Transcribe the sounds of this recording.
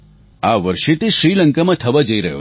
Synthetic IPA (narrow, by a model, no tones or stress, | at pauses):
aʋəɾʃet̪eʃɾiləŋkamãt̪ʰəʋad͡ʒəiɾəɦjo̰